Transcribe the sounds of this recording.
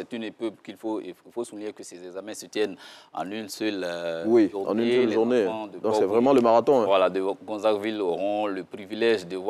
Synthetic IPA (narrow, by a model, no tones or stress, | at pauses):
sɛt̪ynepøbkilfoeilfosuliɲekəsɛzɛɡzamɛ̃sət̪jɛnɑ̰̃nynsœlwiuɑ̰̃nynsɛlʒuʁnẽd̪əd̪ɔ̃ɔksɛvʁɛmɑ̃ləmaʁat̪ɔ̃ɛ̃vwalad̪əɡɔ̃zakviloʁɔ̃ləpʁivilɛʒd̪əvwa